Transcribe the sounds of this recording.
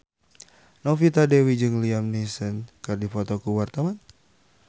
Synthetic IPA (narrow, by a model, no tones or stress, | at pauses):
nɔfit̪adɛwid͡ʒɨŋliamnisənkɨrdifɔt̪ɔkuwart̪awan